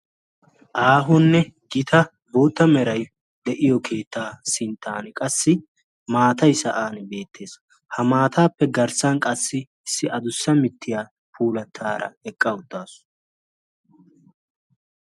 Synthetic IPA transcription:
ʔaːɦʊnːɛɡɪt̪ʰɐ | boːt̪ːɐmɛɾɐj | d̪ɛʔɪjɔkʰe̞ːt̪ːaːsɪnt̪ʰːa̰ːnkʼɐsːɪ | maːt̪ɐjsɐʔaːnbe̞ːt̪ːe̞ːs | hɐmaːt̪ʰaːpːɛɡɐɾsɐnkʼɐsːɪ | ɪsːɪɐd̪ʊsːɐmɪt̪ʰːɪjaː | pʰuːlɐt̪ʰːaːɾɐ̰ɛkʼːɐʊt̪ːaːsʊ̥

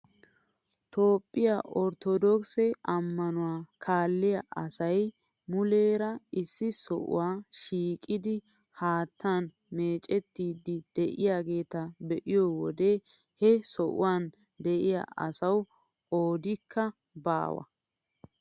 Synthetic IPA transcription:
t̪o̞ːpʼːɪjaʔɔɾt̪ɔd̪ɔksɛɐmːɐnʊwaːkʰaːlːɪjɐʔɐsɐj | mʊle̞ːɾɐɪsːɪsɔ̰ʔʊ̰waːʃiːkʼːɪd̪ɪ | haːt̪ːan | me̞ːt͡ʃʼɛt̪ːiːd̪ːɪd̪̥ɛʔɪjaːɡe̞ːt̪ɐbɛʔɪjɔwɔd̪eː | hɛsɔʔʊ̰waːn | d̪ɛʔɪja̰ʔɐ̰sɐw | o̞ːd̪ɪkʰːɐ | ba̰ːwɐ̰

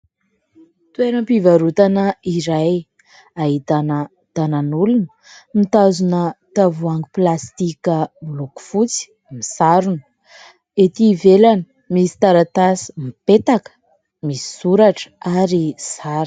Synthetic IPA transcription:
t̪ueɾəmpivaɾut̪anəiɾaj | aɦit̪anə | t̪ananulunə̥ | mit̪azunət̪avuaŋɡiplast̪ikəbloku̥fut͡si̥ | misaɾunə̥ | et̪ivelanə | misi̥t̪aɾat̪asi̥mipet̪akə̥ | misi̥suɾaʈ͡ʂə̥aɾisaɾ

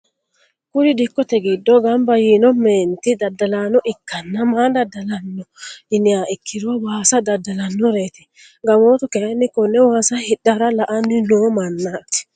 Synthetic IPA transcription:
kʊɾɪd̪ɪkːɔt̪ɛɡɪd̪ːɔɡɐmbɐjiːnɔmeːnt̪ɪd̪ɐd̪ːɐlaːnɔʔɪkːɐnːɐmaːd̪ɐd̪ːɐlɐnːɔɪnɪjaːʔɪkʰːɪd̪ʊwawaːsɐd̪ɐd̪ːɐlɐnːɔɾeːt̪ɪ̥ | ɡɐmoːt̪ʊkenːɪkɔnːɛwaːsɐhɪdɐɾɐlɐʔɐnːɪnoːmɐnːat̪ɪ̥

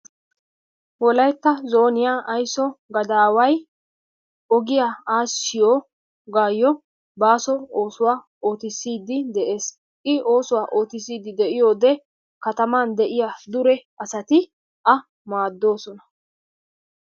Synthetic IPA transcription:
wɔlɐjt̪ːɐzo̞ːnɪjaːʔɐjsɔɡɐd̪aːwɐj | ɔɡɪjaːaːsɪjoː | ɡaːjːɔ | baːsɔo̞ːsʊwaː | o̞ːt̪ɪsːiːd̪ɪd̪ɛʔe̞ːs | ʔɪʔo̞ːsʊwaːʔo̞ːt̪ɪs̬iːd̪ɪd̪ɛʔɪjo̞ːd̪ɛ | kɐt̪ɐmaːnd̪ɛʔɪjaːd̪ʊɾɛʔɐsɐt̪ɪ | ʔɐ | maːd̪ːo̞ːsɔnɐ

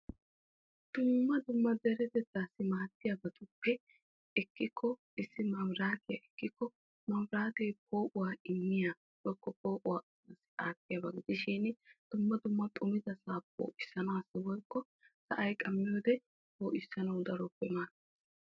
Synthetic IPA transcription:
d̪̥ʊmːɐd̪ʊmːɐd̪ɛɾɛt̪ɛt̪ːaːsːɪmaːt̪ːɪjɐbɐt̪ʊpːɛ | ɛkːɪkʰːɔ | ɪsːɪmɐmɾaːt̪ɪjɐʔɛkːɪkːɔ | mɐwɾaːt̪ejpʰo̞ːʔʊwaːɪmːɪja | wɔkːɔpo̞ːʔʼʊwaː | ɐsɪ̥ʔaːt̪ːɪjɐbɐɡɪd̪ɪʃɪnd̪̥ʊmːɐd̪ʊmːɐt̪ʼʊmɪd̪ɐsaːpːo̰ːʔɪsːɐnaːsːɪwɔjkːɔ | sɐʔɐjkʼɐmːɪjoːd̪ɛ | boːʔɪsːɐnɐwd̪ɐɾɔpːɛmaːt

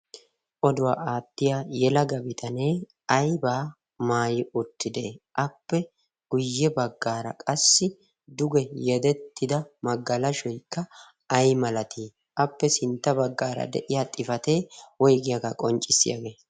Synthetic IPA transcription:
ʔɔd̪ʊwa̰ːʔaːt̪ːɪjaːjɛlɐɡɐbɪt̪ʰɐneː | ɐjbaː | maːjɪʊt̪ːɪd̪e̞ʔɐpːɛ | ɡ̥ʊjːɛbɐɡːaːɾɐ̰kʼɐsːɪ | d̪ʊɡɛjɛd̪ɛt̪ːɪd̪ɐmɐɡːɐlɐʃɔjkːɐ | ɐjmɐlɐt̪ʰiː | ʔɐpːɛsɪnt̪ːɐbɐɡːaːɾɐ̰d̪ɛ̰ʔɪjaːt̪ʼɪfɐt̪e̞ːwɔjɡɪjɐɡakʼɔnt͡ʃʼːɪsːɪja̰ɡe̞ː

